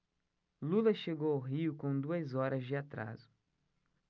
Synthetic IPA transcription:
lulɐʃeɡowʊɦiʊkõw̃d̪uɐzɔɾɐzd͡ʒɪat̪ɾa̰zʊ

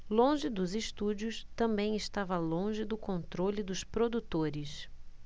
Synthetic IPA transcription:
lõʒɪd̪ʊzɪʃt̪ud͡ʒʊst̪ɐ̃mbẽj̃ɪʃt̪avɐlõʒɪd̪ʊkõnt̪ɾolɪd̪ʊspɾod̪ut̪oɾɪs

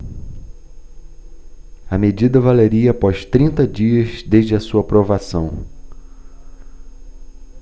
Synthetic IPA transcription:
ɐmed͡ʒid̪ɐvaleɾiɐpɔʃt̪ɾĩnt̪ɐd͡ʒiɐzd̪eʒd͡ʒɪɐsuɐpɾovasɐ̃w̃

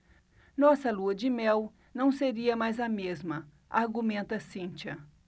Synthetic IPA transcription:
nɔsɐluɐd͡ʒɪmɛw | nɐ̃w̃seɾiɐmajzɐmezmɐ | aɾɡumẽnt̪ɐsĩnt͡ʃɐ

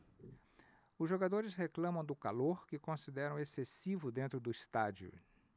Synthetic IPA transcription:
ʊzʒoɡad̪oɾɪsheklɐ̃mɐ̃w̃d̪ʊkaloɾkɪkõsid̪ɛɾɐ̃w̃esesivʊd̪ẽnt̪ɾʊd̪ʊist̪ad͡ʒiʊ̰

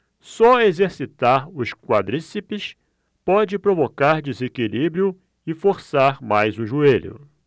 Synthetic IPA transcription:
sɔezeɾsit̪aɾʊskwa̰d̪ɾisipɪs | pɔd͡ʒɪpɾovokaɾd͡ʒizekilibɾiʊ | ɪfoɾsaɾmajzʊʒueʎʊ̰

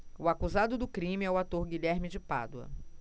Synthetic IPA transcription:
ʊakuzad̪ʊd̪ʊkɾĩmɪɛʊat̪oɾɡiʎɛɾmɪd͡ʒɪpa̰d̪uɐ̰

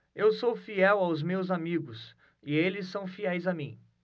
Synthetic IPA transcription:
ewsowfiɛwawzmewzamiɡʊs | ɪelɪsːɐ̃w̃fiɛjzɐmĩ

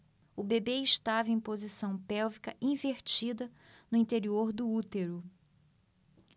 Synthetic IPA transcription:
ʊbebeɪʃt̪avɐẽj̃pozisɐ̃w̃pɛwvikɐʔĩveɾt͡ʃid̪ɐ | nʊĩt̪eɾioɾd̪ʊut̪eɾʊ

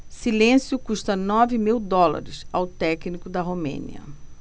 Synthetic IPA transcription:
silẽsjʊkuʃt̪ɐnɔvɪmiwd̪ɔla̰ɾɪsawt̪ɛknikʊd̪ɐɦomḛ̃nḭɐ̰

